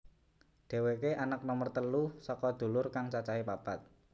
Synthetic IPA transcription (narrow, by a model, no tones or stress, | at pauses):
ɖ̪̥e̤wekeʔanak̚nɔmərt̪əlusɔkɔd̪̥ṳlʊrkaŋt͡ʃat͡ʃaɦipapat̪̚